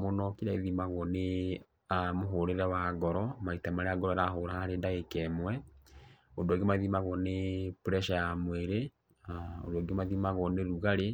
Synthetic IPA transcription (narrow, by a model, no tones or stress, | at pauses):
monɔkiɾaiðimaɣwɔne | amoɦoɾeɾɛwaɡɔɾɔmaitamaɾeaɡɔɾɔɾaɦoɾahaaɾedaɣekɛmwɛ | odɔɡemaðimaɣɔnepɾɛʃajamweɾe | o̰dɔɡemaðimaɣɔneɾuɣaɾe